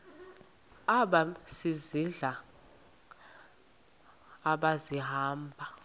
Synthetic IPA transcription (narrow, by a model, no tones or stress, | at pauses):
aɓasiziɮa | ɓaziɦaːmbʱa